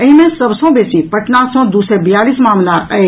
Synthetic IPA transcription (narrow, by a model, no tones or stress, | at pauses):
əĩmẽsɐbsɔ̃beːsipɐʈnasɔ̃d̪uːsebɪjaːlismaːmlaɐe